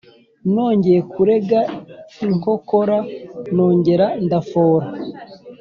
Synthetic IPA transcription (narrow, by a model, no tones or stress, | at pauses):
no̞ːɲɟe̞jekuɾe̞ɡaiŋ̥ho̞ko̞ɾano̞ːɲɟe̞ɾandafoːɾa